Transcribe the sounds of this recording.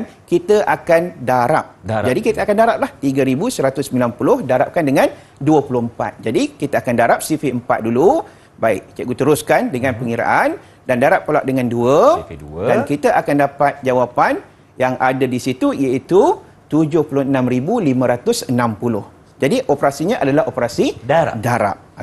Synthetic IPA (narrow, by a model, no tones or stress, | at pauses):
nkit̪əʔakandaɾa̰p̚d͡ʒadikit̪əakandaɾap̚laht̪iɡəɾibusəɾat̪ʊsːəmbilanpulʊhdaɾap̚kandəŋãn | duəpulʊhəmpa̰t̪̚d͡ʒadikit̪əakandaɾap̚sifiəmpa̰t̪̚dulu | baɪ̰ʔ̚t͡ʃaɡut̪əɾʊskandəŋãnpəŋiɾa̰ʔan | dandaɾap̚pːəlaʔ̚dəŋanduə | dankit̪aʔakandapat̪̚d͡ʒawapan | jaŋʔadadisit̪uijait̪u | t̪ud͡ʒʊhpulʊhənãmɾibulimə̃ɾat̪ʊsənãmpulʊh | d͡ʒadiʔopɾasiɲãʔadalahopəɾasiadaɾa̰p̚